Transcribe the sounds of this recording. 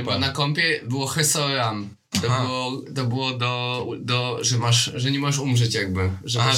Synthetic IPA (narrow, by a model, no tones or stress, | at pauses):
ɛbnakɔmpʲjɛbɘwɔxɛsɔɾam | t̪ɔbɨwɔt̪ɔbɨwɔd̪ɔud̪ɔʐɛmaʂʐɛɲɛmɔʐɛʂumʐɛt͡ɕjaɡ̚bɘʐɛ